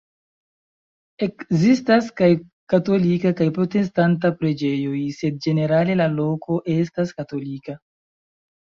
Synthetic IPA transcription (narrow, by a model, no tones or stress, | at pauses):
ekzistaskaj | kato̞likakajpɾo̞te̞stant̬apɾe̞d͡ʒe̞jo̞jse̞d̚d͡ʒe̞ne̞ɾale̞lalo̞kʰo̞ʔe̞staskato̞lika